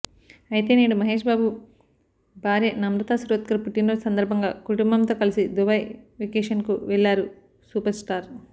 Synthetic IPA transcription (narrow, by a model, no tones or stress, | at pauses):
ɐjit̪e̞ːniːɽumɐɦe̞ːʂ̬baːbu | bʱaːɾjɐnɐmɾɐt̪asɾoːt̪̚kɐɾpuʈːinːosɐnd̪ɐɾbʱɐŋɡa̰ːkuʈumbɐmt̪oːkɐlisid̪ubɐjʋekeːʂɐnkṵʋɛɭːaːɾu | suːpɐɾsʈaːɾ